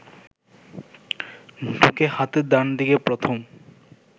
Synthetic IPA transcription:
ɖʱukehat̪ed̪and̪ikepɾot̪ʰom

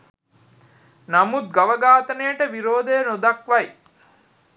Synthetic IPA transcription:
nɐmut̪̚ɡɐʋɐɡaːt̪ɐnejəʈəʋiɾoːd̪ejːnod̪ɐkʋɐj

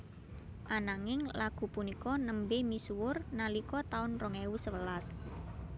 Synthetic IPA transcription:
ʔanaŋɪŋlaɡ̥ṳpunikɔnəmbɪmisuwʊrnalikɔt̪aʊnrɔŋɛwusəwəlas

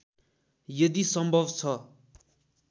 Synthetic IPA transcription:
jʌd̪isʌmbʱʌbt͡sʰʌ

